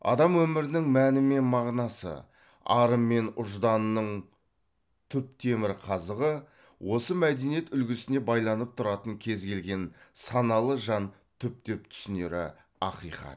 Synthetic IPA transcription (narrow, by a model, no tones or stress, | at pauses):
ɑ̰d̪ɑmwɵmɪɾɪnɪŋmænɪme̞nmɑʁnɑsə̰ | ɑ̰ɾəmːe̞nʊʒd̪ɑnːəɴ | t̪ʰʏp̚t̪ʰe̞mɪɾɪqʰɑzəʁə | wʔo̞səmæd̪e̞nije̞t̪ʏlɡʲɪsɪne̞bɑjlˠɑnəp̚t̪ʰʊɾɑt̪əŋkʲʰe̞zkʲʰe̞lɡʲe̞nsɑnɑlˠəʒɑn | t̪ʰʏp̚t̪ep̚t̪ʰʏ̥sɪne̞ɾɪ̰ | ɑ̰qijqɑ̰t̪